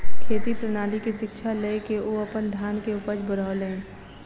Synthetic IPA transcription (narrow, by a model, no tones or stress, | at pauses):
kʰeːt̪ipɾənaːlikiʃɪkʃʰalekeoɐpənd̪ʱjaːnkeʊpəɾd͡ʒbəɾaːlẽː